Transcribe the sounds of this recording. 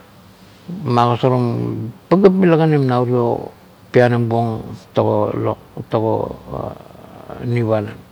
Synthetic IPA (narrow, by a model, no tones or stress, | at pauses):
maɡosoɾompaɡapmilaɡanemnauɾio̰ | piananbuoŋtoɡolo | toɡo̰ | niβanan